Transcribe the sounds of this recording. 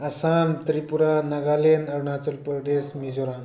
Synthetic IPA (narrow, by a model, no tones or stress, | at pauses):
əsamt̪ɾipuɾanəɡalenəɾɳat͡səlpəɾd̪esmid͡zoɾãn